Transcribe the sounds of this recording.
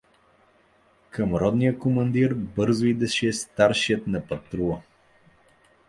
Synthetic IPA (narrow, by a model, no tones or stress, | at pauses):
kʰəmɾɔd̪nijəkomɐnd̪iɾbɤɾzʊid̪ɛʃɛst̪aɾʃiət̪nɐpɐt̪ɾuə